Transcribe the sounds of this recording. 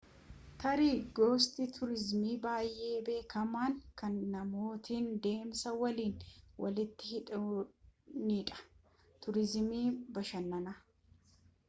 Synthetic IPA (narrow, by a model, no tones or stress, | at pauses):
t̪ɐɾiːɡoːst̪ɪt̪ʰʊɾɪzmiːbaːjʔe̞ːbe̞ːkɐmaːŋkɐnːɐmo̞ːt̪iːnd̪e̞ːmsɐwɐliːnwʔɐ̰lɪt̪ːɪhɪᶑ | niᶑɐ̥ | t̪ʊɾɪzmiːbɐʃɐnːɐnɐ